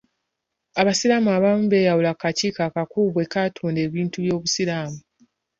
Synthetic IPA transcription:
aβasiɾaːmuaβamube̞ːjawulakaciːkakakuːβwe̞katʰuːnde̞ːβiːntuβjo̞ːβusiɾaːmu

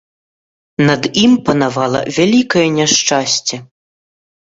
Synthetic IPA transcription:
nɐd̪impɐnavalˠɐ̰vʲalʲikɐjɛnʲɛʂt͡ʂasʲt͡sʲɛ

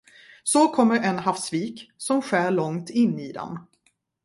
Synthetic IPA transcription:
sɔkʰɔmːəɾɛnɦafsviːksɔmɧæːɭɔŋt̪ɪnːiːd̪ɛ̰m

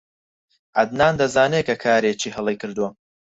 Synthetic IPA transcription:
ʔɐd̪naːnd̪ɐzaːnekɐkʰaːɾeːt͡ʃiːhɐlˠejkɨɾd̪uwɐ

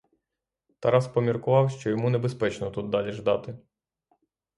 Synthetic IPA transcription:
t̪ɐɾɑspɔmʲirkʊʋɑwʃt͡ʃɔjɔmunebespɛt͡ʃnɔt̪ud̪̚d̪ɑlʲiʒd̪ɑt̪ɪ

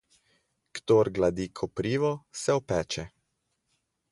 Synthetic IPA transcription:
kt̪oːɾɡlad̪ikʰɔpɾiːʋɔsɛɔpɛːt͡ʃɛ

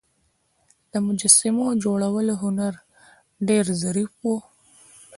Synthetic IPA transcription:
d̪̥əmʊd͡ʒasɪmod͡ʒoɽawəloɦʊnaɾ | ɖeɾzaɾifwo

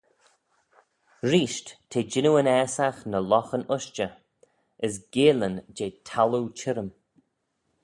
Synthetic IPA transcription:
ɾiːʃttʰeːd͡ʒɪnuənɛːsaxnəlɔxənʊʃt͡ʃə | əs̬ɡeːlənd͡ʒeːtʰalut͡ʃʰɪɾəm

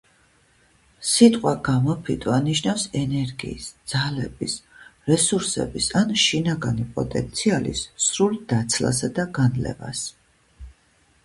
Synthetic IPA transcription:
sit̪ʼqʼwaɡ̥amɔpʰit̪ʼvaniʃnafsɛnɛɾɡiːsd̪z̥alɛb̥isɾɛsuɾsɛ̰bisanʃinaɡanipʼɔ̰t̪ʼɛ̰nt̪sʰialḭsːɾuld̪̥at̪sʰla̰sad̪aɡanlɛ̰va̰s

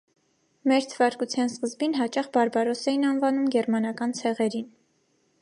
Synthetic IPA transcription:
mɛɾt̪ʰəvɑɾkut͡sʰjɑnskəzbinɦɑt͡ʃɑχbɑɾbɑɾɔsɛjinɑnvɑnumɡɛɾmɑnɑkɑnt͡sʰɛʁɛɾin

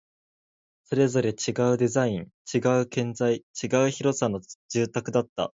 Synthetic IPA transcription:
so̞ɾe̞zo̞ɾe̞t͡ɕiɡaɯ̟d̪e̞zaĩnt͡ɕiɡaɯ̟kẽ̞nzait͡ɕiɡaɯ̟çiɾo̞sano̞ʑ̥ɨːt̪akɯ̟d̪at̪ːa̰

